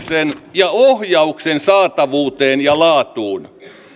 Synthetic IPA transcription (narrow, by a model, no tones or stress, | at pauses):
senjɑohjɑuksensɑːt̪ɑʋuːt̪eːnjɑlɑːt̪uːn